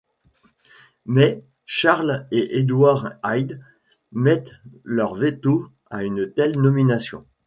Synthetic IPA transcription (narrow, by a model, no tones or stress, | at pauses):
mɛ | ʃaʁleʔed̪waʁajd̪ | mɛt̪lœʁvet̪o | aynt̪ɛlnɔminasjɔ̰̃